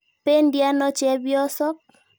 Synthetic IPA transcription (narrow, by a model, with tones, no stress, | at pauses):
pe˦ndja˦nɔ˦t͡ʃɛ˨˦bjɔ˦sɔ˦k̚